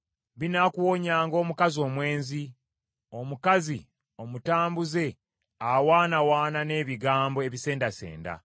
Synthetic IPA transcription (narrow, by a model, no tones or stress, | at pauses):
βinakuwo̞ɲaːŋɡo̞ːmukazio̞ːmwe̞ːnzi | o̞mukazi | o̞mutaːmbuze̞ | awaːnawaːnane̞ːβiɡaːmbo̞e̞βise̞ːndase̞̰ːnda̰